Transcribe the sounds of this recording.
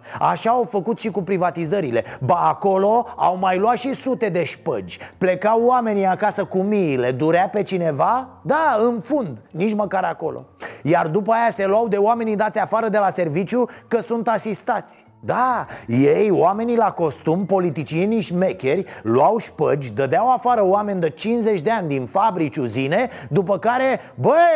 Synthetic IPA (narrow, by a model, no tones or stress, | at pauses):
a̰ʃaːwfəkut̪ʃikupɾivat̪izəɾile̞baːko̞lo̞a̰wmajlwat̪ʃisut̪e̞d̪e̞ʃpə̰d͡ʒʲple̞kawːame̞niakasəkumiːle̞d̪uɾeape̞t͡ʃine̞vad̪aɨnfund̪nit͡ʃməkaɾako̞̰lo̞̰jard̪upəajase̞luawd̪e̞oame̞nid̪at̪sʲafaɾəd̪e̞lase̞rvit͡ʃʲjukəsunt̪asist̪at̪sʲ | d̪ajejoame̞nilako̞st̪umpo̞lit̪it͡ʃieniʃme̞kʲerʲlwawʃpəd͡ʒʲd̪əd̪eawafaɾəoame̞nʲd̪ət͡ʃinze̞t͡ʃʲd̪e̞anʲd̪infabɾit͡ʃʲuzine̞d̪upəkaɾe̞ | bə